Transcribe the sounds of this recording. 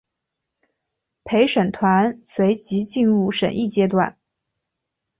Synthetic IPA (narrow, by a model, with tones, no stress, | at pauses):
pʰe˧˥ɪʂə˨˩nt̪ʰwa˧˥nswe˧˥ɪt͡ɕi˧˥t͡ɕi˥˧nɻu˥˩ʂə˨˩ni˥˩t͡ɕjɛ˥t̪wa̰˥˩n